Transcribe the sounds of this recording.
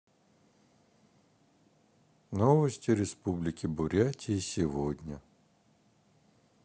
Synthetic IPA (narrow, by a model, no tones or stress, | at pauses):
novəsʲtʲɪɾʲɪspublʲɪkʲɪbʊɾʲatʲʰɪːsʲɪvodʲnʲə